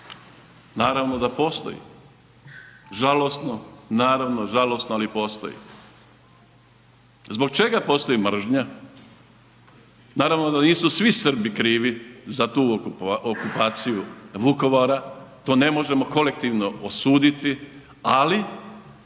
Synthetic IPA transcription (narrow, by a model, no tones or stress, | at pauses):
naːɾaʋnod̪apo̞ːst̪o̞̰jḭ | ʒalosnonaːɾaʋnoʒalo̞snoalipo̞ːst̪o̞̰jḭ | zbo̞k̚t͡ʃe̞ɡapo̞ːst̪ojimr̩ʒɲa | naːɾaʋno̞d̪aniːsusʋisr̩bikɾiːʋizat̪uːokupaːt̪sijuʋuko̞ʋaɾat̪o̞ːne̞mo̞ʒe̞mo̞ko̞le̞k̚t̪iːʋno̞osuːd̪it̪i | ali